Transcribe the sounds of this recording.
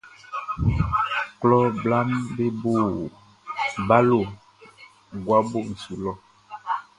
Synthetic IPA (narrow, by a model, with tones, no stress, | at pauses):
klɔ˦bla˦mbe˦bo˦˨ | ba˦lo˨ | ɡwa˦bo˦˨n̩˨su˨lɔ˦